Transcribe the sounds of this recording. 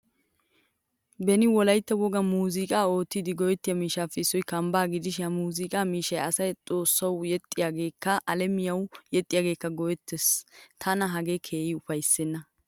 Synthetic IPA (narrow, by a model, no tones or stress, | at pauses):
bɛnɪwɔlɐjt̪ːɐwɔɡɐmuːzɪkʼaːo̞ːt̪ːɪd̪ɪɡɔjɛt̪ːɪjɐmiːʃaːfːɛɪsːɔjkɐmbaːɡɪd̪ɪʃɪɐmuːzɪkʼaːmiːʃɐjɐ̰sɐjt͡sʼo̞ːsːɐwjɛt̪ʼːɪjaːɡe̞ːkːɐʔɐlɛmɪjɐwjɛt̪ʼːɪjaːɡe̞ːkːɐɡɔwɛt̪ːɛst̪ʰɐnɐɦɐɡekʰe̞ːjɪʊfɐjsːɛnːɐ